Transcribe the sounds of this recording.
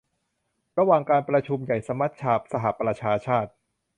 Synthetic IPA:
ɾa˧waː˨˩ŋkaː˧npɾa˧t͡ɕʰu˧mja˨˩jsa˧˦mːa˦˥t̪̚t͡ɕʰaː˧p̚sa˧ɦa˨˩pɾa˧t͡ɕʰaː˧t͡ɕʰaː˥˩t̪̚

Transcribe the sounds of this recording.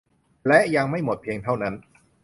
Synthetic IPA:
lɛ˦˥ʔja˧ŋma˥˩jmo˨˩t̪̚pʰeː˧ŋt̪ʰa˥˩wna˦˥n

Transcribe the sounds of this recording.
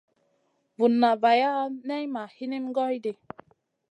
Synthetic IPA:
vu˨nːa˨va˨ja˦nɛ˦jma˨hi˦ni˦mɡɔ˦jde˨

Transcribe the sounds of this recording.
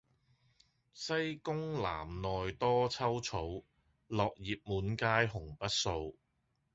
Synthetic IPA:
sɐ˥jkʊ˥ŋla̰ː˨˩mnɔː˨jt̪ɔː˥t͡sʰɐ˥wt͡sʰo˨˥w | lɔː˨k̚jiː˨p̚muː˨˥nkaː˥jɦʊ˨˩ŋpɐ˥t̚so˧w

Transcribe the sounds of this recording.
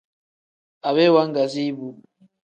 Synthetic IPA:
a˨βɛ˦wa˦ŋɡa˨zi˦bu˨

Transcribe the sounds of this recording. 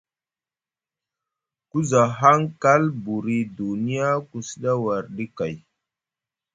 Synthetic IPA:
ku˦za˨ɦa˦ŋka˦lbu˨ɾi˨du˨ni˦ja˦ku˨si˦ɗa˦wa˨ɾɗi˦ka˨j

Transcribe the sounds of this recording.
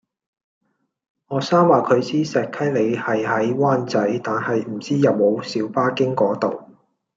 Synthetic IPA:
ŋɔː˨saː˥mwaː˨kʰɵ˨˧ɥsiː˥sɛː˨k̚kʰɐ˥jle˨˧jhɐ˨jhɐ˨˥jwaː˥nt͡sɐ˨˥jt̪aː˨nhɐ˨jm̩˨˩t͡siː˥jɐ˨p̚mo˨˧wsiː˨˧˥wpaː˥kɪ˥ŋkɔː˨˥t̪o̰˨w

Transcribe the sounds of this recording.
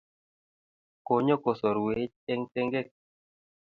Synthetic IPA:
ko˨ɲo˦ko˨sɔ˨ɾwe˨˦t͡ʃe˦ŋte˦ŋɡe˦˨k̚

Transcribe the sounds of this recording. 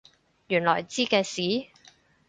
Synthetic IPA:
jyː˨˩nlɔ̰ː˨˩jt͡siː˥kɛː˧siː˨˥

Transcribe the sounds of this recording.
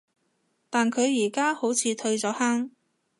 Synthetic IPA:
t̪aː˨nkʰɵ˨˧ɥjiː˨˩kaː˥ho˨˥wt͡sʰiː˧t̪ʰɵ˧ɥt͡sɔː˨˥haː˥ŋ

